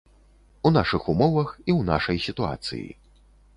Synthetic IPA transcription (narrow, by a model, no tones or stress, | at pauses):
unaʂɨxumɔvɐxiwna̰ʂɐjsʲit̪ua̰t̪sɨ̰jḭ